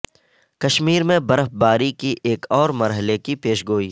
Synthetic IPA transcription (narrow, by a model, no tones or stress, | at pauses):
kɐʃmiːɾmẽbɐɾəfbaːɾikiʔeːkɔːɾmɐɾɦəlekipeːʃɡoːiː